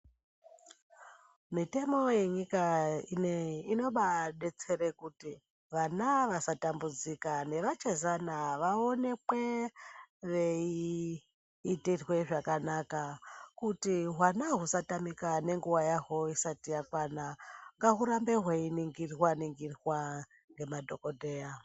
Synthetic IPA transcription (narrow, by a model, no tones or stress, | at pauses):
mite̞mo̞je̞ɲikaineino̞ɓaɗe̞t͡se̞rekuti | ʋanaʋasatambud͡zikane̞ʋat͡ʃezanaʋao̞ne̞kwe̞ | ʋe̞i | tirwe̞ʐakanakakutiɦwanaɦusatamikane̞ŋɡuwajaɦo̞isatijakwanaŋɡaɦuɾambe̞ɦweiniŋɡirwaniŋɡirwa | ŋɡe̞madʱo̞kodʱe̞ːja